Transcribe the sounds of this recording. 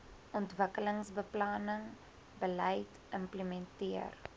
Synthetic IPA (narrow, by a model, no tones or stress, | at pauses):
ʔɔntvəkələŋsbəplɑːnəŋ | bəlɛjt | əmpləmɛntiər